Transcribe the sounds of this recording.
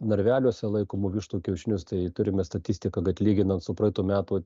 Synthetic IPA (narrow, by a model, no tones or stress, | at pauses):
nɐɾʲʋʲæːlʲuɔsʲɛlˠɐɪkoːmʊʋʲɪʃt̪uːkʲɛʊʃʲɪnʲʊst̪ɐɪt̪ʊɾʲɪmʲɛst̪ɐt̪ʲɪsʲt̪ʲɪkɐɡɐt̪ʲlʲiːɡʲɪnɐnt̪sʊpɾɐɪt̪uːmʲæːt̪uː